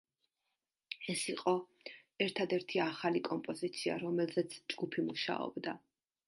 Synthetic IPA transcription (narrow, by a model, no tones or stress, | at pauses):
ɛsiqʼɔ | ɛɾt̪ʰad̪ɛɾt̪ʰiaχalikʼɔmpʼɔzit̪sʰia̰ɾɔmɛlzɛt̪sʰd͡ʒɡupʰimuʃa̰ɔ̰bd̪a